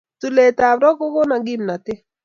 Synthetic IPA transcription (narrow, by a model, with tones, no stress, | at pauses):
tu˨le˨ta˨bɾɔ˦ko˦ko˦na˨ɡɪ˦mna˨tɪ˦